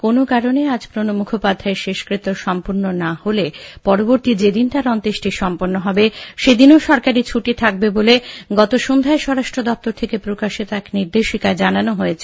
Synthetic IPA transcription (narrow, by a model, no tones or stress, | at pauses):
konokaɾonead͡ʑpɾonomukʰopad̪ʱːaeɾʃeʃkɾit̪ːoʃɔmpuɾnonaholepɔɾoboɾt̪id͡ʑed̪int̪aɾɔnt̪eʃʈiʃɔmpoɾnoɦɔbeʃed̪inoʃɔɾkaɾit͡ɕʰuʈit̪ʰak̚beboleɡɔt̪oʃond̪ʱaeʃɔɾaʃʈɾod̪ɔp̚t̪oɾt̪ʰekepɾokaʃit̪oɛkniɾd̪eʃikaed͡ʑananoɦojet͡ɕʰe